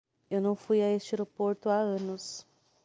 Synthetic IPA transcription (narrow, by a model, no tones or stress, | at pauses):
ewnɐ̃w̃fujaest͡ʃeɾopoɾt̪ʊaɐ̃nʊs